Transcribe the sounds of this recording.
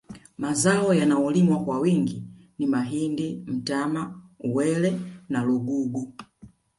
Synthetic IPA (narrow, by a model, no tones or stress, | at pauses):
mazaɔjanaɔlimwakwawiŋɡinimaɦindim̩tamauwɛlɛnaluɡuɡu